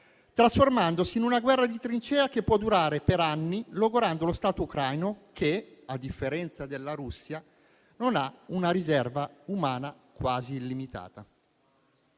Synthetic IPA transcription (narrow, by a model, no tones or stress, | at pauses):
t̪ɾasformand̪osiːnunaɡwɛrːad̪it̪ɾint͡ʃɛːak̟epːwɔd̪ːuɾaːɾepeɾanːiloɡoɾand̪olost̪aːt̪oukɾajnokʰead̪ifːeɾɛnt̪sad̪elːaɾusːja | nonaunaɾizɛrvaumaːna | kwaːziːlːimit̪a̰ːt̪a